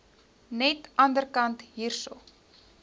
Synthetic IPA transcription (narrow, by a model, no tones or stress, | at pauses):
nɛtɐndərkɐntɦiːrso̰